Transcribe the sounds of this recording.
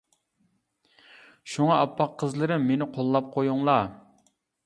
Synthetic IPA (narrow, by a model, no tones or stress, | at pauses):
ʃuŋɑɑpːɑqʰːəzlˠɨɾɨmːenɪqʰolˠːɑp̚qʰojuŋlˠɑ